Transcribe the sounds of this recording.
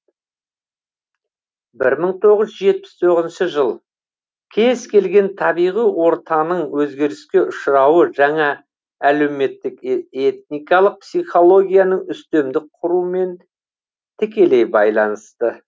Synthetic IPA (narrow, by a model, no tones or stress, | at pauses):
bɪɾməɴt̪ʰo̞ʁəzʒe̞t̪̚pɪ̥st̪ʰo̞ʁəzənʃəʒəlˠ | kʲʰe̞zkʲʰe̞lɡʲe̞nt̪ʰɑbijʁijwo̞ɾt̪ɑnəɴwɵzɡʲe̞ɾɪskʲe̞ʔʊʃɾɑwəʒɑɴɑ | æle̞wme̞t̪ːɪke̞t̪̚nijkɑlˠəq̚psijχo̞lˠo̞ɡʲijɑnəɴʏst̪emd̪ɪk̚qʰʊɾuəme̞n | t̪ʰɪkʲe̞le̞jbɑjlˠɑnəst̪ə